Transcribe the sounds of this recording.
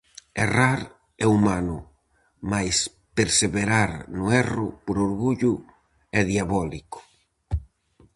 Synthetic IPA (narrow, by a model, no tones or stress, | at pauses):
eraɾ | ɛumanʊ | majs | peɾseβeɾaɾnʊɛrʊ̰poɾoɾɣuʎʊ | ɛðjaβɔlikʊ̥